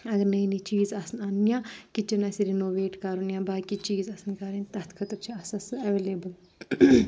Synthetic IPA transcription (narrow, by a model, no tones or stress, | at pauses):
ɐɡɐɾnɐinit͡ʃiːzɐsnɐnjãːkit͡ʃɐnɐsiɾinoːʋeːʈkɐɾunjãːbaːkit͡ʃiːzɐsɐnkɐɾint̪ɐɦt̪kʰɐt̪ɐɾt͡ʃʰiɐsɐsɨɐʋeːleːbəl